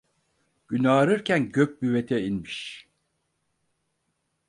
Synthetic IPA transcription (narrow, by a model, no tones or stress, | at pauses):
ɟ̥ynaːɾɯɾcʰænɟøc̚byvet̪ʰɛinmiʃ